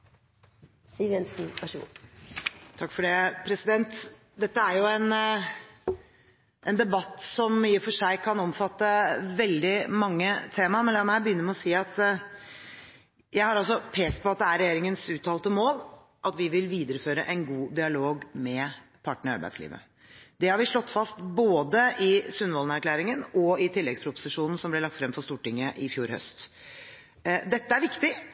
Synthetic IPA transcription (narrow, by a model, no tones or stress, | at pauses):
siːʋjɛnsn̩ɑʃ | t̪ʰɑkːfɔɖɛpʰɾɛsɪd̪ɛnt̪ | d̪ɛt̪ːəæɾjʊɛn | ʔɛnd̪ɛbɑt̪ːsɔmmːəfɔʂæɪkʰɑnɔmfɑt̪ːəʋɛld̪ɪmɑŋːət̪ʰeːmɑmɛnlɑmæbəjʏnːəɾmɛɔsiːɑt̪ | jæɪhɑɾɑlsɔpʰeːst̪̚pɔɑt̪̚d̪ɛæɾɛjeːɾɪŋənsʉːt̪ʰɑːlt̪əmoːl | ʔɑt̪ʋɪʋɪlʋiːd̪əɾəføːɾə̰ʔæɪnɡuːd̪ɪɑloːɡmɛpʰɑʈːɳəɳɪɑɾbæɪd̪slḭːʋə̰ | d̪ɛhɑɾʋɪʂɭɔt̪ːfɑst̪boːd̪əʔɪsʉnʋɔːlnəæɾkʰlæːɾɪŋənɔɪt̪ʰɪlːɛɡspʰɾʊpʊ̥sɪʂuːnn̩sɔmblɛɭlɑk̚t̪fɾɛmfɔst̪uːʈɪŋːəʔɪfjuːɾhœ̰st̪ | d̪ɛt̪ːəæɾʋɪkt̪ɪ